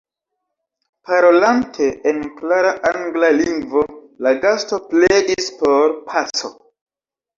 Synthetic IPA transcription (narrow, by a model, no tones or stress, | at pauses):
paɾo̞lantʰe̞enklaɾaʔaŋɡlaliŋɡvo̞ | laɡasto̞pledispo̞ɾpʰat͡so̰